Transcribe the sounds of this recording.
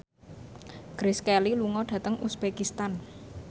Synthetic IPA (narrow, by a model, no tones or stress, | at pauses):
ɡ̥ɾɪskɛliluŋɔɖ̥ä̤t̪əŋʔusb̥ekist̪an